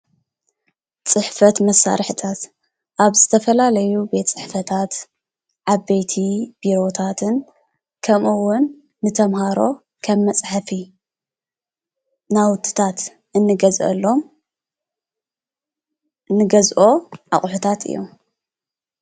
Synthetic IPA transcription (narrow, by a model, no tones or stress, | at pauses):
t͡sʼɨħfɐt̪mɐsːa̰ɾħɨt̪ʰat̪ | ʔaβzɨt̪ʰɐfɐlalɐjubet̪t͡sʼɨħfɐt̪ʰat̪ | ʕabejt̪ʰib̥iɾo̞t̪ʰat̪ʰɨn | kʰɐmʔɨwːʊnː | ɨt̪ʰɐmhaɾo̞ | kʰɐmːɐt͡sʼħafi | nawʊt̪ʰːɨ̥t̪ʰat̪ | ʔɨnːɨɡɐzʔɐ̰lːo̞m | nɨɡɐzʔo̞ʕa̰χʼħut̪ʰat̪ʰɨ̰jːo̞̰m